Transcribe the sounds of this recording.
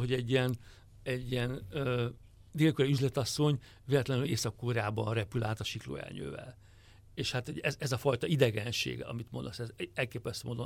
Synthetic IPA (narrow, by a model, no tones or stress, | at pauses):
ɦo̞ɟɛɟːiɛn | ɛɟːiɛnø | d̪eːlkoɾɒyzlɛt̪ɒsːo̞ɲ | veːlɛt̪lɛnyleːsɒkːoːɾaːbɒnrɛpylaːt̪ɒʃiklo̰ːɛ̰lɲø̰ːvɛ̰l | eːʃhat̪oɟɛzɛzɒfɒjt̪ɒid̪ɛɡɛnʃḛːɡɒ̰mit̪mond̪osɛzɛlkeːpɛst̪øːmond̪o